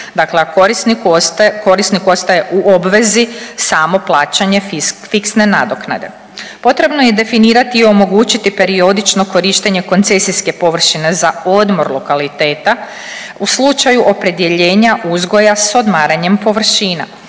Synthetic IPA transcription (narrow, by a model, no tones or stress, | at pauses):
d̪akleɾisnkko̞ɾisniko̞st̪aje̞ʔuʔo̞bʋe̞zisaːmo̞plˠaːt͡ʃaɲe̞ffiksne̞nad̪o̞kna̰d̪e̞̰ | po̞t̪ɾe̞bno̞je̞d̪e̞finiːɾat̪iːo̞mo̞ɡuːt͡ɕit̪ipe̞ɾio̞d̪it͡ʃno̞ko̞ɾiʃt̪e̞ɲe̞ko̞nt̪se̞siske̞po̞ʋr̩ʃine̞zao̞d̪mo̞ɾlˠo̞kalit̪e̞ːt̪a | uslˠut͡ʃajuʔo̞pɾe̞d̪je̞ʎe̞ːɲaʔuzɡo̞jaso̞d̪maːɾaɲe̞mpo̞ʋr̩ʃiːna̰